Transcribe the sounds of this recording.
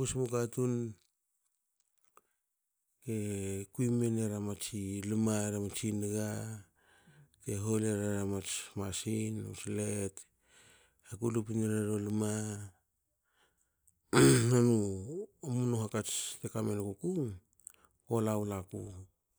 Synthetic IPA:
usmukatun | ke̞kuimeneɾamat͡ʃilimaeɾamat͡ʃinɡa | ke̞ɦoleɾaɾamat͡ʃmasino̰slet | hakulup̬ineɾaɾoluma | nanuomunuɦakat͡ʃtekamenkukuŋ | olawlaku

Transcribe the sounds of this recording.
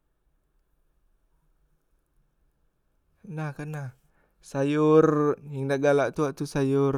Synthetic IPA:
nahkanah | sajurjəŋdaʔɡalaʔt̪uaʔt̪usajʊr

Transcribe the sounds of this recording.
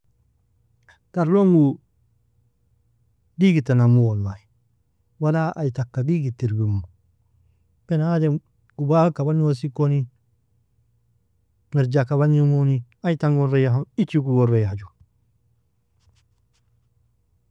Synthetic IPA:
taɾloŋɡu | diɡitanamuonːai | walaa̰jitakːadiɡitiɾbimu | b̥enade | ubakabanos̬ikoni | meɾd͡ʒakaβaɲumoniaitaŋɡoɾejaɦoit͡ʃikuɡoɾejad͡ʒu

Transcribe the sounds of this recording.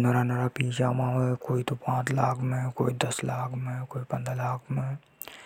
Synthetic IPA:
nɐɾanəɾapiːt͡ʃaːmãɦokoːit̪opãːt͡ʃlaːkʰmẽkoːid̪ɐslaːkʰmẽkoːipɐ̃nd̪ɾalaːkʰmẽ

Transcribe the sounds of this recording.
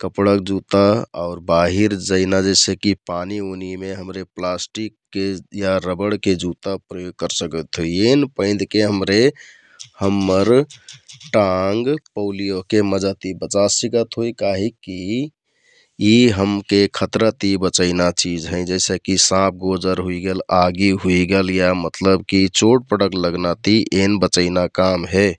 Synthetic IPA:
kəpɽək̚d͡ʒut̪aɔʊɾbaɦiɾd͡ʒəɪnad͡ʒəɪsekipanionimeɦəmɾeplasʈikːejaɾəbəɽked͡ʒut̪apɾəjoɡ̚kəɾsəkət̪ɦoienpə̃ɪ̃d̪keɦəmɾe | həmːəɾ | ʈaŋɡpəʊlijokeməd͡ʒat̪ibət͡ʃasiɡət̪ɦojkaɦiki | iɦəmkekʰət̪ɾət̪ibət͡ʃəɪnat͡ʃid͡ʒɦə̃ɪ̃d͡ʒɛɪsəkisãp̚ʰɡod͡ʒəɾɦuiɡelaɡiɦuiɡeljamət̪ləbkit͡ʃoʈ̚pəɽəkləɡnat̪iʔenbət͡ʃəɪnakamɦe

